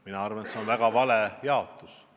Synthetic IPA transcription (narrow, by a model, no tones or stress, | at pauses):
minɑɑrvɑnet̪seonvæɡ̥ɑvɑlejɑo̞t̪ːˑus